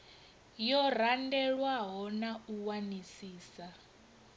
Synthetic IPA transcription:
jɔr̤andɛɺwaɦɔnauwanisiːsa

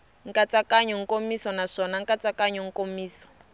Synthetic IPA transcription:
ŋ̩kʼat͡sʼakaɲɔŋ̩komisɔnaʂɔnaŋ̩kʼat͡sakaɲɔŋ̩komiːsɔ̥

